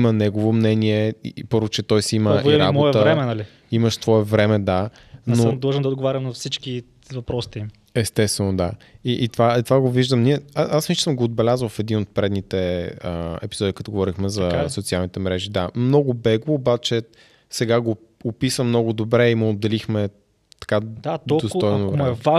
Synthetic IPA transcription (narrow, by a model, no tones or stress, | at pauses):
imənɛɡovomnɛniɛḭpɤɾvʊt͡ʃɛt̪ɔjsiməviɾabmoɔɛəɾɛmɛnɐli | iməʃst̪vɔɛvɾɛmɛd̪a | nomd̪lˠʒɛnd̪ɐod̪ɡovaɾʲɐmnɐfsit͡ʃki | vɐpɾɔsi̥t̪im | ɛst̪ɛst̪vɛnod̪aiʔːt̪vait̪vaɡoviʒd̪əmniəasnʲistt͡ʃ̪səmɡoːd̪̚bɛlʲazəlfɛd̪inot̪̚pɾɛd̪nit̪ɛəɛ̰pizɔd̪ikɐt̪ɔɡovɔɾixmɛzɐsot̪sialˠnit̪ɛmɾɛʒid̪amnɔɡʊbɛɡoːbat͡ʃɛ | sɛɡaɡo | opisəmnɔɡʊd̪obɾɛimood̪ːɛlixmɛ | t̪ɐ̥kad̪atd̪ɔd̪ost̪ɔjnoɛva